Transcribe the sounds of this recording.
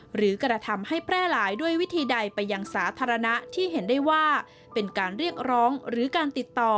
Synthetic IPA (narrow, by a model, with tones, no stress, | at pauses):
ɾɯː˩˦kɾa˧t̪ʰa˧mha˥˩jpʰɾɛː˥˩laː˩˦jdu˥˩əjwi˦˥t̪ʰiː˧da˧jpa˧jːa˧ŋsaː˩˦t̪ʰaː˧ɾa˧na˦˥t̪ʰiː˥˩ɦe˩˦ndaː˥˩jwaː˥˩ | pe˧nkaː˧nɾi˥˩ək̚ɾɔː˦˥ŋɾɯː˩˦kaː˧nt̪i˨˩t̪ːɔː˨˩